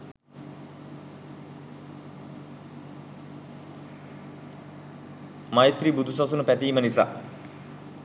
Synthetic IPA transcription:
majt̪ɾibud̪ʱusasunəpæt̪iːmənisa̰ː

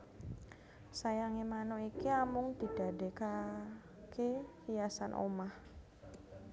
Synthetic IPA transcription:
sajaŋemanoikiamʊŋd̪i̤d̥adeka | ke | ijasanʔo̰mah

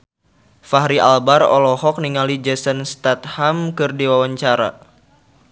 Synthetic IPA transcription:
faɦɾiʔa̰lbarɔ̰lɔɦɔk̚niŋalid͡ʒɛsənst̪at̪̚hamkɨrdiwawaɲt͡ʃaɾa̰

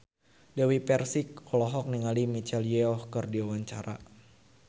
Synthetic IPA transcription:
dawipɛrsikɔlɔɦɔk̚niŋalimit͡ʃɛljɛɔhkərdiawaɲt͡ʃaɾa̰

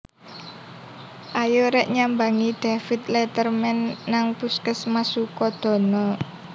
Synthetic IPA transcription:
ʔajoɾɛʔɲambaŋid̪̥afit̪lɛt̪ərmɛnːaŋpuskəsmasukɔd̪̥ɔ̤nɔ

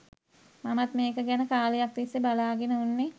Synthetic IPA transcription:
mamat̪meːkəɡænəkaːlejak̚d̪isːebalaːɡenəunːe

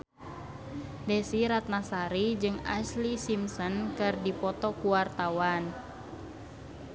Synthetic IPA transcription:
dɛsiɾat̪̚nasaɾid͡ʒɨŋa̰slisimsɔnkɨrdipɔt̪ɔkuwart̪awan

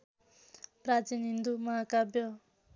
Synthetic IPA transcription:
prad͡zinɦind̪umʌɦakabjʌ

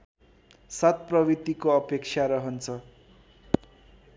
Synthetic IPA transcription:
sʌt̪̚prʌbit̪ikoʌpek̚t͡sʰjaɾʌɦʌnt͡sʰʌ

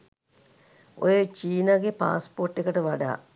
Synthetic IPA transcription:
o̰jet͡ʃiːnaɡepa̰ːsporʈːekəʈəʋaɖa̰ː

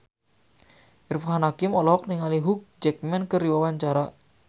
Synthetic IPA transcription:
ʔirfɦanakimɔlɔk̚niŋaliɦuk̚d͡ʒɛk̚mɛnkəɾiwawaɲt͡ʃaɾa

